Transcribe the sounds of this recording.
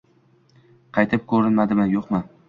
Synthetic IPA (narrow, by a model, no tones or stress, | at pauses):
qʰɑjt̪ʰɪp̚kʰɵɾɪnmad̪ɪmɪjoqmɪ